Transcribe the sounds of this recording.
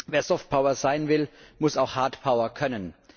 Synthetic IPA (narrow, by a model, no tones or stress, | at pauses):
veːɐzɔft̚pʰaʊɐzaɪnvɪlmʊsaʊxhaɐtpʰaʊɐkʰœnən